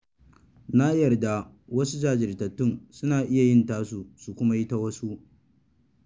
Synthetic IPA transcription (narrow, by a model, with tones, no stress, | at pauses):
na˦jɐ˨rda˦ | wɐ˦su˦d͡ʒaː˨d͡ʒɪ˨rtɐ˨tːʊ˦˨ŋsʊ˦naː˨ʔɪ˦ja˨jɪ˦ntaː˦su˨su˨kʷʊ˦ma˦ji˦ta˦wɐ˦su˦ʔ